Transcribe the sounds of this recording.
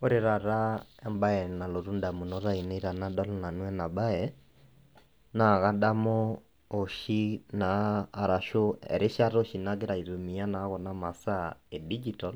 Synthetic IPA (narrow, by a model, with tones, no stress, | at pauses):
o˦ɾe˨ɾa˨ɾa˦ɛ˦mba˦ɛ˨na˨lo˨ɾu˦nda˨mu˨nɔɾa˦i˨ne˦i˦ɾa˨na˦dɔ˦lɔna˨nwɛ˦na˨ba˦ɛ | na˨ɣa˦da˦mɔ˦ | o˨ʃi˦naː˨ɾa˨ʃo˦ɛ̰˨ɾe˦ʃa˦ɾo˦ʃi˨na˦ɣe˦ɾa˨i˨ɾo˨mi˨a˦na˨˦ɣɔ˨na˦ma˨sa˦e˨di˦d͡ʒitɔl